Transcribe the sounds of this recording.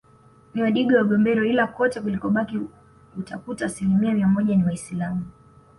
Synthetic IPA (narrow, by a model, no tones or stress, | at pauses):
niwaɗiɡɔwaɡɔmbɛɾɔilakɔtɛkulikɔɓaki | utakutaːsilimiamiamɔʄaniwaisilamu